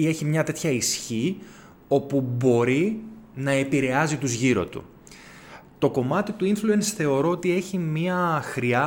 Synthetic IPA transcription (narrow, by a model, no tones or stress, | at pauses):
e̞çimɲɐt̪e̞t̪çɐisçi | o̞pubo̞ɾinɐe̞piɾe̞ɐzit̪uzʝiɾo̞t̪ṵ | t̪o̞ko̞mɐt̪it̪uinfluensθe̞o̞ɾo̞ot̪ie̞çimiɐxɾiɐ